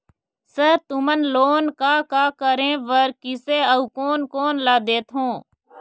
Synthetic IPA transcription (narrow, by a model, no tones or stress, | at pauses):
set̪ʊmənloːnkaːkaːkəɾẽːʋəɾkɪseːəuːkoːnkoːnlaːd̪eːt̪ɦõː